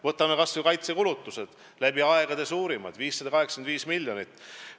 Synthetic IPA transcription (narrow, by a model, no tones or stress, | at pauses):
vɤt̪ːˑɑmekɑsokɑjt̪sekulut̪ːˑused̪̥ | læbiɑeɡ̥ɑd̪̥esuːɾimɑ̰d̪̥viːsːɑd̪̥ɑkɑɦekskenviːsmilʲjonit̪ː